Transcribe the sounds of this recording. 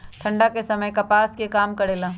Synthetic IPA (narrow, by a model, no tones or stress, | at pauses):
ʈ̪ʰɐ̃ɳɖakesɐməjkɐpaːskekaːmkɐɽeːlaː